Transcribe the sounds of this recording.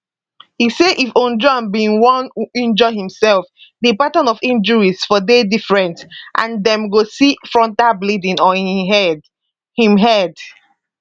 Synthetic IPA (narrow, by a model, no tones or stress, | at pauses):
hiseʔifõnd͡ʒɹɔ̃nbĩŋwɔ̃nuĩnd͡ʒɔɦĩmsɛlfdipatɔ̃nɔfĩnd͡ʒəɹisfɔdedifɹɛ̃ntʔã̰ndɛ̃mɡosifɹɔ̃ntablidĩnɔhĩɦɛd | hĩmɦɛd